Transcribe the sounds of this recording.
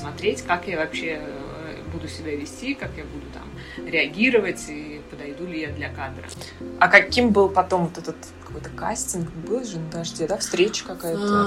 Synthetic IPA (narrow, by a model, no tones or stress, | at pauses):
smɐt̪ɾʲetʲkakjavɐpɕːe | bud̪ʊsʲɪbʲavʲɪsʲtʲikakjabud̪ʊt̪a̰m | ɾʲɪɐɡʲiɾəvətʲipəd̪ɐjd̪ulʲɪjad̪lʲɐkad̪ɾə̰ɐkɐkʲimbɨlˠpɐt̪o̞mvot̪ɛt̪ət̪ | kɐko̞jt̪ə̥ka̰sʲtʲɪnkbɨlˠʐɨnʊd̪ɐʐdʲed̪afst̪ɾʲet͡ɕɪ̥kɐkajət̪